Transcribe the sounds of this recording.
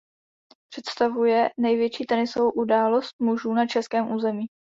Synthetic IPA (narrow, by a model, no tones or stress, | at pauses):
pr̥ɛt̪st̪avujɛnɛjvjɛt͡ʃiːt̪ɛnɪsovowʔudaːlo̞st̪̚muʒuːnat͡ʃɛskɛːmʔuːzɛmiː